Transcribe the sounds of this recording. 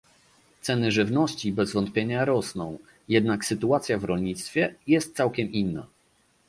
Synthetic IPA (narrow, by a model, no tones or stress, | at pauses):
t̪sɛnɘʐɘvnɔɕt͡ɕibɛzvɔnt̪̚pʲjeɲaɾɔsnɔ̃w̃ | jɛd̪naksɘt̪uat̪sʲjavɾɔlɲit̪st̪fʲjɛjɛst̪̚t̪sawkʲɛminːa̰